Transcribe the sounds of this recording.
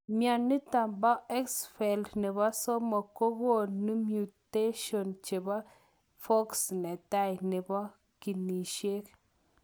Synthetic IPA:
mja˨nːi˦ta˨mba˦e˦ksfe˨ldnɪ˨ba˦sɔ˦ma˨ko˦ɡo˦˨ni˦mju˨t̪e˦ʃo˨nt͡ʃe˨ba˦ | fo˦ksne˨t̪a˦jnɪ˨ba˦ | ki˨ni˨ʃe˦k

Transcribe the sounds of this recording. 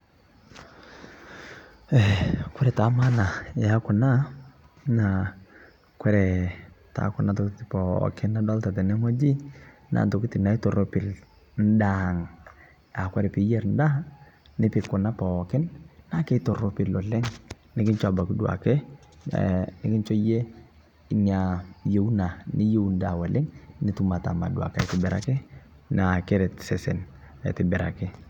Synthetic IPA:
ɛ˨kʷɛ˦ɾɛ˨ta˨˦ma˦na˨a˦kʊ˨na˦ | na˨ | kwɛ˦ɾɛ˨ta̰˨˦kʊ˨na˨tɔ˨ktɪ˨pɔ̰˨kɪ˦na˦dɔ˦lta˨tɛ˨nɛ˦ŋɔ˦d͡ʒi˦ | na̰˨tɔ˨kɪ˦tɪ˨na˨ɪ˦to˨ɾo˦pɪ˨l | n̩˦da˨ŋ | a˨kwɛ˦ɾɛ˨pɪ˨˦jɛ˨ɾn̩˦da˦ | nɪ˦pɪ˨kɔ˨na˦pa˨ɔ˨kɪ˦nna˦kɛ˦tɔ˨ɾɔ˦pɪ˨lɔ˨lɛ˦ŋ | nɪ˦kɪ˦nt͡ʃɔ˦a˨ba˨kɪ˦dwa̰˨kɛ̰˦ | nɪ˦kɪ˦nt͡ʃɔ˦je˦ | ɲa˨je˨u˦na˨nɪ˦je˦wnda˨wa˨lɪ˦ŋnɪ˦tu˦ma˨ta̰˨ma̰˨du˨a̰˨ka˦i˨tɪ˨bɛ˨ɾa̰˨kɛ˦ | na˨kɛ˦ɾɛ˨tsɛ˨sɛ˨n˨ | ḭ˨tɪ˨bɛ˨ɾa̰˨kɪ˦

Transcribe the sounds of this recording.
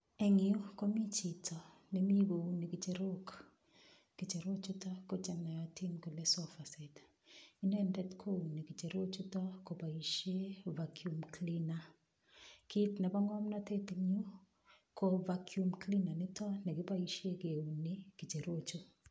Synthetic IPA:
ɛ˨ŋɪu˦ko˦mi˦t͡ʃi˨tʰɔ˨ | nemi˦ɡo˨u˨ni˨ki˨t͡ʃe˨ɾo˦k | ki˨t͡ʃe˨ɾo˦t͡ʃu˦tɔ˦ko˦t͡ʃɛ˨na˨ja˨ti˦nko˨le˦sɔ˦fa˨se˨t | i˦nɛ˦ndɛ˦tkʰo˦u˨ni˨ki˨t͡ʃe˨ɾo˦t͡ʃu˦tɔ˦ko˨pa˨i˨ʃe˦vakʰju˨mklina˦ | ki˦tnɛ˨ba˦ŋɔ˦mnɔ˦te˦tiŋu˦ | kʰo˦va˨kʰjumkli˦na˨nɪ˦tɔ˦nɛ˨ki˦ba˦iʃe˦ke˨u˨ni˦ki˨t͡ʃe˨ɾo˦t͡ʃu˦

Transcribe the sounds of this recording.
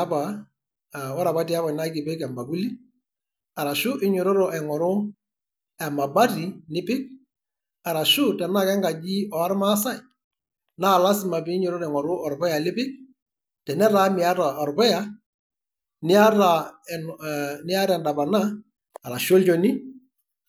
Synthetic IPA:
a˦pa˨ | wɔ˦ɾa˨pa˦ti˨a˦βa˨na˦kɪ˨pɪ˦kɛ˨mba˨bu˦li˦ | a˨ɾa˨ʃʊ˦ʔɪ˦ɲʊ˨ɾo˦ɾɔ˨ʔɛ˨ŋɔ˨ɾʊ˦ | ɛ˨ma˨ba˦ti˨nɪ˦pɪ˦k̚ | a˨ɾa˨ʃʊ˦tɛ˨na˦˨kɛ˦ŋɡa˨d͡ʒiː˦ɔ˨a˦ɾma˦sa˦˨j | na˦˨la˦sɪ˨ma˨pɪ˨˦ɲʊ˨ɾʊ˦ɾɛ˨ŋɔ˨ɾʊ˦ɔ˨ɾpɔ˦ja˨lɪ˦pɪ˦k̚ | tɛ˨nɛ˦ɾa˨˦mɪ˨a˦ta˨ɔ˨ɾpɔ˦ja˦ | nɪ˦a˦ta˨nnɪ˦a˦ɾɛ˨nda˨ba˨naː˦˨ | ɾa˨ʃɔ˦lt͡ʃɔ˨nɪ˦

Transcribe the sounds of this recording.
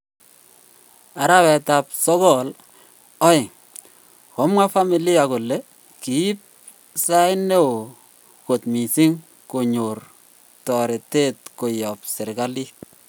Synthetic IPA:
a˨ɾa˦wɛ˨ta˨p̚sɔ˦ɡɔ˦l | ɔ˦ɪ˨ŋ | kɔ˨˦mwa˦fa˦mi˨lɪ˦ja˨ko˨lːe˦ | ki˨i˦p̚ | sa˦ɪ˦ne˦o˨ | ko˨tmi˨si˦ŋ | ko˨ɲo˨r | tɔ˨ɾe˨te˦t̚ko˨jɔ˨p̚sɪ˨ɾɡa˦li˦

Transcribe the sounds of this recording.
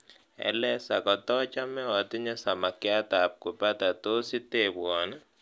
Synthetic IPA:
ɛ̰˦lɛ˦sa˨kɔ˨tɔ˦t͡ʃa˦mɛ˦ɔ˨t̪ɪ˦ɲɛ˦sa˨ma˨kɪ˦a˦t̪a˨p̚ko˨pa˦t̪a˨t̪o˦sɪ˦te˦bɔ˨n˦

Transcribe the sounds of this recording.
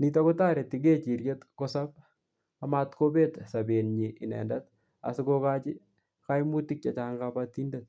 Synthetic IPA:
nit̬ako˦ta˦ɾe˨tiɡe˦t͡ʃi˨ɾjetkosap̚ | amatko˦be˦tsabe˨nɲiʔi˨nɛ̰˨ndat̚ | a̰˨sɪkoka˦t͡ʃɪ˦ | ka˦jmu˦ti˦k̚t͡ʃat͡ʃa˦ŋɡapati˦ndet̚

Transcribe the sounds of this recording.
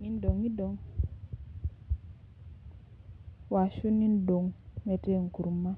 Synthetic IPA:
ni˦n˦do˨ŋi˦do˨ŋ | wa˨ʃu˦ni˦ndo˨ŋmɛ˨te˦˨ŋ˨ku˨ɾma˦

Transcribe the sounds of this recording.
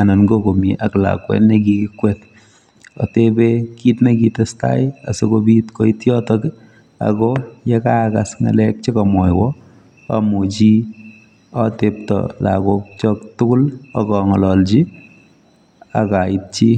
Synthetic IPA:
a˨nɔ˨nɡoko˨mje˨ʔakla̰kwɛ̰˦nnekikwet | ɔ̰˨tebeki˦tneki˨tɛsta̰˦ja˨so˦kobi˦tko˦itjɔ˦tɔk | a̰kɔjɛ˦ka˦ka˨sŋa̰˨lɛ˦k̚t͡ʃe˦kɔ˨mɔ˨jwɔ | a̰mut͡ʃi˦ | atep̚tɔ̰la̰ko˦k̚t͡ʃɔ˦ktʊ˦kʊ˦lɔ̰kɔŋɔ˨lɔ˨lt͡ʃi˦ | a˨kait̚t͡ʃi˦

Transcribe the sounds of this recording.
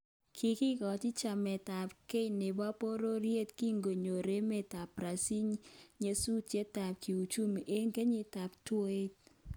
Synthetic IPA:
kʰi˨ki˦kɔ˨ti˦t͡ʃa˨mɛ˨ta˨pke˦ne˨ba˦po˦ɾo˦ɾje˦tki˦ŋɡo˨ɲo˨ɾe˦mɛ˦ta˨pɾa˨si˦ɲɲe˦su˦t͡ʃje˦ta˨p̚ki˨u˨t͡ʃu˦m˨ʔe˦ŋke˦ɲi˦ta˨p̚two˦e˦t̚

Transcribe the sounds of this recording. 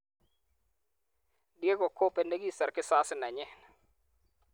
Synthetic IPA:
dje˦ɡɔ˨ko˦pe˨ne˦ɡi˦sa˨ɾkɪ˦sa˦sɪ˦na˨ɲɛ˦

